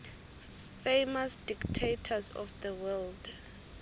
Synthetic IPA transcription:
fejmasd̥iktʰetʰazɔ̰fðəwɛld

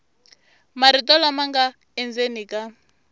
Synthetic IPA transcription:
maɾitʼɔlamaŋɡa | ɛnd͡zenikʼa

